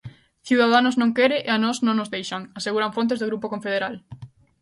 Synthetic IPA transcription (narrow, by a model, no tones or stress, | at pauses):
θiwðaðanʊznõŋkeɾɪʔeanɔznõŋnʊzðejʃaŋaseɣuɾaɱfõnt̪ezðoɣɾupokõɱfeðeɾal